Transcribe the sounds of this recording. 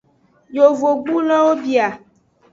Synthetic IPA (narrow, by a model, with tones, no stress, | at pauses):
jo˨vo˨ɡ͡bu˦lɔ̃˦wo˦bi˨a˨